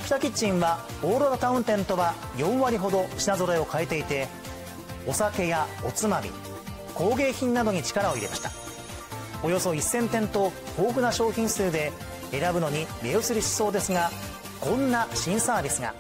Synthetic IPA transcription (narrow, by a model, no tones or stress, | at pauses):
kʲi̥t̪akʲit͡ɕĩɰ̃βa | oːɾoɾat̪aɯ̃nt̪ẽ̞nt̪o̞βa | jõ̞ɰ̃βaɾʲiɦo̞d̪o̞ɕinazo̞ɾeo̞kaet̪e̞it̪e̞ | o̞sake̞jao̞t͡sɨmamʲḭ | ko̞ːɡe̞ːçĩnːad̪o̞ɲ̟it͡ɕi̥kaɾao̞iɾe̞maɕi̥t̪ḁ | o̞jo̞so̞isːẽ̞nt̪ẽ̞nt̪o̞oːɡɯ̟naɕo̞ːçĩɰ̃sɨːd̪e̞ | eɾabɯ̟no̞ɲ̟imʲeosɨɾʲiɕi̥so̞ːd̪e̞sɨŋa | kõ̞nːaɕĩɰ̃saːbʲisɨŋa̰